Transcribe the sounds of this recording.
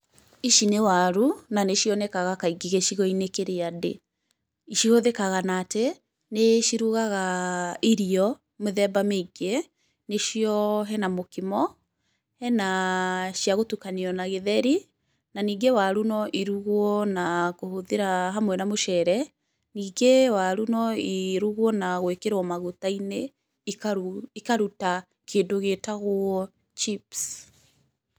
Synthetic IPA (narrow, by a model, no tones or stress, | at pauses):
iʃinewaɾunaneʃiɔnɛkaɣakaiɡiɣeʃiɣɔinekeɾeadḛ | iʃioðekaɣanaːte | neʃiɾuɣaɣaiɾiɔ | meðɛbameiɡe | neʃiɔɦɛnamokimɔ | hɛnaʃjaɣotukaneɔnaɣeðɛɾi | naniːŋɡewaɾunɔʔiɾuɣwɔnakohoðeɾaɦamwɛnamoʃɛɾɛ | niːɡewaɾunɔiɾuɣwɔnaɣwekeɾwɔmaɣutaine | ikaikaɾuta | kʰeːndoɣetaɣwɔ | t͡ʃips